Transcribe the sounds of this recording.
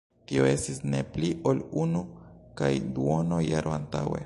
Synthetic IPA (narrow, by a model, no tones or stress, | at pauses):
tio̞e̞stisne̞pliʔo̞lunukajduo̞no̞ja̰ɾʔoa̰nta̰we̞̰